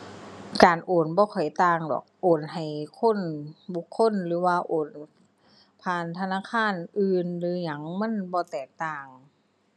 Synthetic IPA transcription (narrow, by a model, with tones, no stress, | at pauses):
kaː˨nʔoː˨˩nbɔː˧˦kʰɔ˨˩jt̪aː˧ŋdɔ̰˨˩k̚ʔoː˨˩nɦa˨˩jkʰo˧˥˨nbu˧˦kʰːo˧˥˨nlɯː˨˦waː˧ʔoː˨˩n | pʰaː˧˩nt̪ʰa˧naː˧˥˨kʰaː˧˥˨nʔɯː˧nlɯː˨˦ɲa˧˦ŋma˧˥˨nbɔː˧t̪ɛː˨˩k̚t̪aː˧˩ŋ